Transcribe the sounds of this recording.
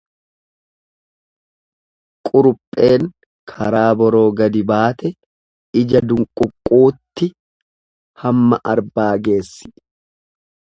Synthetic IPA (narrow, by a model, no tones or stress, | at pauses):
kʼʊɾʊpʼːe̞ːŋ | kʰɐɾaːbɔɾo̞ːɡɐd̪ɪbaːt̪ɛ | ɪd͡ʒɐd̪ʊŋkʼʊkʼːuːt̪ːɪ | hɐmːɐʔɐɾbaːɡe̞ːsːɪ̥